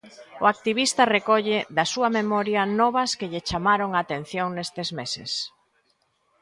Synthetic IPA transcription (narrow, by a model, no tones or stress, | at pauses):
ʊak̚t̪iβ̞ist̪ɐrekɔʎɪðɐsuɐmemɔɾjɐnɔβɐskeʎɪt͡ʃamaɾoŋaːt̪en̟θjoŋnest̪ɪzmesɪ̰s